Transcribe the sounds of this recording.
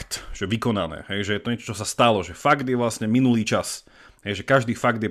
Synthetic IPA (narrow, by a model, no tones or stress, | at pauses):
t̪ʒ̥ɛʋikɔna̰nɛ̰ːɦɛjʒɛjɛt̪ɔɲɛt͡ʃɔ̥t͡ʃɔsast̪alɔʒɛfaɡd̪jɛʋlasɲɛminuliːt͡ʃas | ɦɛjʒɛkaʒd̪iːfaɡd̪jɛ